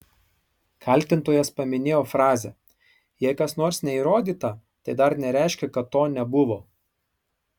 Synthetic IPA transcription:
kʰɐlʲˑt̪ʲɪnt̪oːjɛspɐmʲɪnʲeːjoːfɾɑːzʲɛ | jɛɪkɐsnoːɾsnʲɛiːɾoːd̪ʲiːt̪ɐ | t̪ɐɪd̪ɐɾnʲɛɾʲɛˑɪʃʲkʲɛkɐt̪ːoːnʲɛbʊʋoː

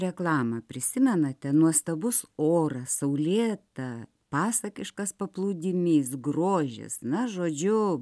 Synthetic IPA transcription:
ɾʲɛklˠɑːmɐpʲɾʲɪsʲɪmʲɛnɐt̪ʲɛnuɔst̪ɐbʊsoːɾɐsɐʊlʲeːt̪ɐ | pɑːsɐkʲɪʃkɐspɐplˠuːd̪ʲɪmʲiːsɡroːʒʲɪ̰snɐʒoːd͡ʒʲʊ

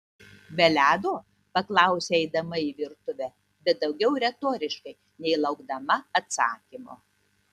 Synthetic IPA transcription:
bʲɛlʲæːd̪oː | pɐklˠɐˑʊsʲeɛɪd̪ɐmɐiʋʲɪɾt̪ʊʋʲæ | bʲɛt̪̚d̪ɒʊɡʲɛʊɾʲɛt̪oːɾʲɪʃkɐɪ | nʲɛɪlˠɐʊɡd̪ɐmɐɐt̪sɑːkʲimoː

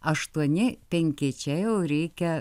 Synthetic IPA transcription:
ɐʃt̪uɔnʲɪpʲɛŋʲkʲɪt͡ʃʲɛjɛʊɾʲɛɪkʲɛ

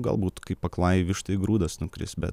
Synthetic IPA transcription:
ɡɐ̰lˠbuːt̪kɐɪppɐklˠɑːjiʋʲɪʃt̪ɐɪɡɾuːd̪ɐsnʊkɾʲɪ̰sbʲɛ̰t̪

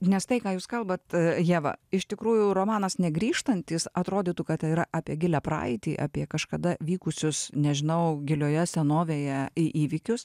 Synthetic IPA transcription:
nʲɛst̪ɐɪkɑːjuːskɐlˠbɐt̪jiɛʋɐ̰ɪʃt̪ʲɪkɾuːjʊɾoːmɑːnɐsnʲɛɡɾʲiːʃt̪ɐnʲt̪ʲiːsɐt̪ɾoːd̪ʲiːt̪uːkɐt̪iɾɐʔɑːpʲiɛɡʲɪlʲɛpɾɑ̰ːɪt̪ʲiːʔɑ̰ːpʲiɛkɐʃkɐd̪ɐʋʲiːkʊsʲʊsnʲɛʒʲɪnɐʊɡʲɪlʲoːjɛsʲɛnoːʋʲeːjɛɪʔiːʋʲɪkʲʊs

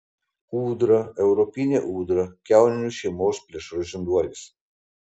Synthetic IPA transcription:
uːd̪ɾɐɛʊɾɔpʲinʲeʔuːd̪ɾɐkʲæˑʊnʲnʲuʃʲɛmoːspʲlʲiɛʃɾɔʒʲɪnd̪uɔlʲis

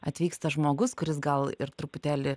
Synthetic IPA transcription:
ɐt̪ʲʋʲiːkst̪ɐʒmoːɡʊskʊɾʲɪsɡɐlˠɪɾt̪ɾʊpʊt̪ʲæːlʲɪ

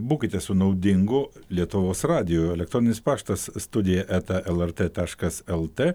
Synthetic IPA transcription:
buːkʲɪt̪ʲɛsʊnɐʊd̪ʲɪŋɡʊlʲiɛt̪ʊʋoːsɾɑːd̪ʲɪjoːɛlʲɛk̚t̪ɾɔːnʲɪnʲɪspɑːʃt̪ɐsst̪ʊd̪ʲɪjɛʔæːt̪ʲɛʔɛlˠɛɾt̪ʲet̪ɑːʃkɐsɛlˠt̪ʲeː

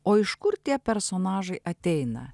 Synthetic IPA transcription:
oːɪʃkʊɾt̪ʲiɛpʲɛɾsoːnɑːʒɐɪʔɐt̪ʲɛɪnɐ̰

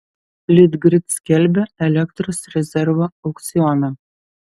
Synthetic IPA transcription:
lʲɪd̪ɡɾʲɪt̪skʲælʲbʲɛɛlʲɛkt̪ɾosɾʲɛzʲɛɾvoɐʊkt̪sʲɪɔnɐ

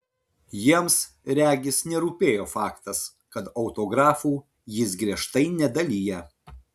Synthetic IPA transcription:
jiɛms | ɾʲæːɡʲɪsnʲɛɾuːpʲeːjoːfɑːkt̪ɐs | kɐt̪ɒʊt̪oːɡɾɑːfuː | jɪsɡɾʲiɛʃt̪ɐɪnʲɛd̪ɐlʲiːjɛ

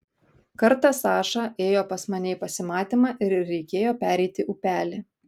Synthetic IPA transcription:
kɐɾt̪ɐsɑːʃɑʔeːjoːpɐsmɐnʲɛɪpɐsʲɪmɑːt̪ʲɪːmɑːʔɪɾɾʲɛɪkʲeːjoːpʲæːɾʲɛɪt̪ʲɪʔʊpʲæːlʲɪ

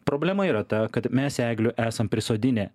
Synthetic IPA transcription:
pɾoːbʲlʲɛmɐiːɾɐt̪ɐkɐt̪mʲɛsæːɡlʲʊʔæːsɐmpʲɾʲɪsoːd̪ʲɪnʲɛː

